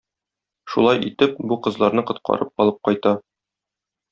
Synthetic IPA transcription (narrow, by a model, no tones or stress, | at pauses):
ʃulˠɑjit̪ɘp̚buqɤ̆zlˠɑɾnɤqŏt̪̚qɑ̰ɾɤp̚ɒlˠɤp̚qɒjt̪ɑ